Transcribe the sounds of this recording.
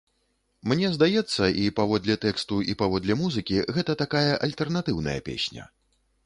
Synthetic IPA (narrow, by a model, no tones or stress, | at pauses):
mnʲɛzd̪ajɛt̪sːɐʔipavɔd̪lʲɐt̪ɛkst̪uipavɔd̪lʲɐmuzɨkʲiɣɛt̪ɐt̪akajɐʔɐlʲt̪ɛrnat̪ɨwnɐ̰jɐ̰pʲḛsʲnʲɐ̰